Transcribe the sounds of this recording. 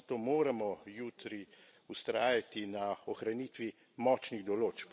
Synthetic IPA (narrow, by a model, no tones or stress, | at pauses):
t̪oːmoːɾamɔjuːt̪ɾi | ust̪ɾaːjat̪inaɔxɾaniːt̪ʋi | mɔt͡ʃniɣd̪ɔloːt͡ʃp